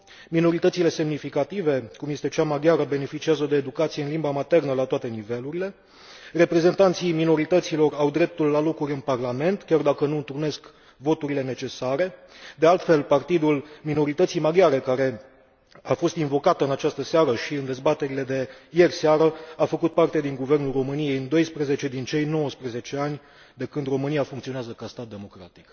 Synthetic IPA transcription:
mino̞ɾit̪ət̪sile̞se̞mnifikat̪ive̞kumje̞st̪e̞t͡ʃamaɡiaɾəbe̞ne̞fit͡ʃiazəd̪e̞ːd̪ukat̪sijeɨnlimbamat̪e̞rnəlat̪oat̪e̞nive̞luɾile̞ | re̞pɾe̞ze̞nt̪ant̪sijmino̞ɾit̪ət̪silo̞rawd̪ɾe̞p̚t̪ulːalo̞kuɾʲɨnparlame̞nt̪kʲard̪akənuɨnt̪urne̞sk | vo̞t̪uɾile̞ne̞t͡ʃe̞saɾe̞ | d̪ealt̪fe̞lpart̪id̪ulmino̞ɾit̪ət̪sijmaɡjaɾe̞kaɾe̞ | afo̞st̪invo̞kat̪ɨnat͡ʃast̪əseaɾəʃiɨnd̪e̞zbat̪e̞ɾile̞d̪e̞je̞rʲseaɾəafəkut̪̚part̪e̞d̪iŋɡuve̞rnulro̞mɨnije̞jɨnd̪o̞jspɾeze̞t͡ʃe̞d̪int͡ʃe̞jno̞wəspɾeze̞t͡ʃe̞anʲ | d̪e̞kɨnd̪ro̞mɨnijafuŋkt̪sioneazəkast̪at̪̚d̪emo̞kɾa̰t̪i̥k

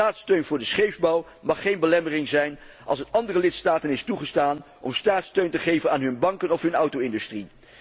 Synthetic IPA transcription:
aːtstøɥnvʊːɹdəsχejvbɑw | mɑχːejnbəlɛmərɪŋzɛjn | ʔɑ̰lˠsənɑndərəlɪtstaːtənɪstuχəstaːn | ʔɔ̰mstaːtstøɥntəχejvənaːnɦɵnbɑŋkənɔfɦɵnʌwtowɪndʉstri

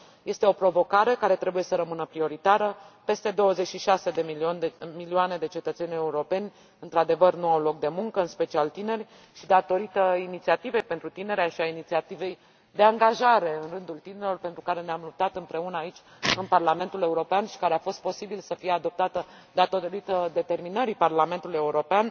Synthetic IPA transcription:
je̞st̪e̞o̞pɾo̞vo̞kaɾe̞kaɾe̞t̪ɾe̞buje̞səɾəmɨnəpɾio̞ɾit̪aɾəpe̞st̪e̞d̪o̞wəze̞t͡ʃʃiʃase̞d̪enmilioane̞d̪e̞t͡ʃe̞t̪ət̪se̞nʲe̞uɾo̞pe̞nʲ | ɨnt̪ɾad̪e̞vərnuawlo̞k̚d̪e̞muŋkəɨnspe̞t͡ʃialt̪ine̞rʲ | ʃid̪at̪o̞ɾit̪əinit̪siat̪ive̞jpe̞nt̪ɾut̪ine̞ɾeaʃiainit̪siat̪ive̞j | d̪e̞aŋɡaʒaɾe̞ɨnrɨnd̪ult̪ineɾlorpe̞nt̪ɾukaɾe̞neamlup̚t̪at̪ɨmpɾe̞unəait͡ʃʲɨnparlame̞nt̪ule̞uɾo̞peanʃi̥kaɾeafo̞st̪̚po̞sibilsəfijead̪o̞p̚t̪at̪ə | d̪at̪oɾit̪əd̪e̞t̪e̞rminəɾiparlame̞nt̪uluje̞uɾo̞pean

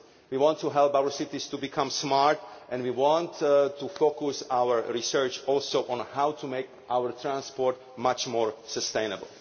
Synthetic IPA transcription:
wiːwɔ̃ntʰːuɦɛlˠpawəɹsɪtistubikʰʌ̃msmaɹtʔɛ̃nwiːwɑ̃nttʰːufokusawə˞ɹisɜ˞t͡ʃɔlsoʊʔɔ̃nhawtʰumeɪkʔawəɹt̪ʰɹãnspɔɹt | mat͡ʃmɔːɹsəstẽɪ̃nəbə̰l̩ˠ

